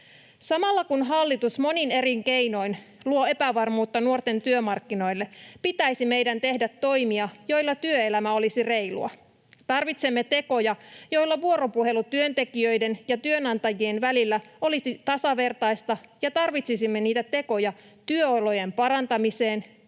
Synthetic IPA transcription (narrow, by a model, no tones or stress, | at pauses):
sɑmɑlːɑkunɦɑlːit̪usmo̞nine̞ɾiŋke̞jno̞in | luo̞e̞pæʋɑrmuːt̪ːɑnuo̞rt̪e̞nt̪yømɑrkːino̞jlːe̞pit̪æjsime̞jdænt̪e̞hdæt̪ːo̞jmiɑjo̞jlːɑt̪yøe̞læmæo̞lisire̞jlṵɑ̰ | t̪ɑrʋit̪semːe̞t̪e̞ko̞jɑjo̞jlːɑʋuo̞ɾo̞puɦe̞lut̪yønt̪e̞kiøjde̞njɑt̪yønɑnt̪ɑjienʋælilːæo̞lisit̪ɑsɑʋe̞rt̪ɑjst̪ɑjɑt̪ɑrʋit̪sisimːe̞niːt̪æt̪e̞ko̞jɑ | t̪yøolo̞je̞mpɑɾɑnt̪ɑmise̞ːn